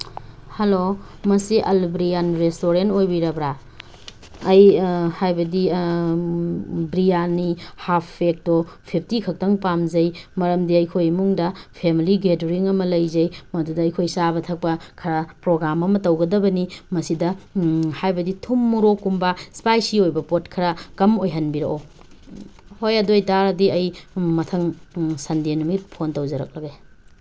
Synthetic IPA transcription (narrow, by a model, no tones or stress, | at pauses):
hɐlo | mɐsiʔɐlbɾijanɾestoɾentojbiɾɐbɾa | ɐjhajbɐdi | bɾijanihapʰːek̚topʰip̚ʰtikʰɐk̚tɐŋpamzɐjmɐɾɐmdiɐjkʰojɐmuŋdɐpʰemiliɡetɾiŋɐmɐlɐjzɐjmɐdudɐːjkʰojsabɐtʰɐk̚pɐkʰɐɾɐpɾoɡɾamɐmɐtɐwɡɐdɐbɐnimɐsidɐhajbɐditʰumːuɾokːumbɐspajsiojbɐpotkʰɐɾɐkɐmojɦɐnbiɾɐʔo | hojɐdojtaɾɐdiɐjmɐtʰɐŋsɐndenumit̚pʰontɐwzɐɾɐ̰k̚lɐɡe